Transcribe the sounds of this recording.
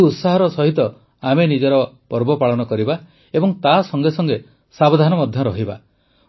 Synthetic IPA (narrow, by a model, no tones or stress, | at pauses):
ut̪saɦɔɾɔsɔɦit̪ɔ | amenid͡ʒeɾɔpɔɾbɔpaɭɔnɔkɔɾiba | ebɔŋt̪asɔŋɡesɔŋɡe | sabod̪ʱanɔmɔd̪ʱjɔɾɔɦiba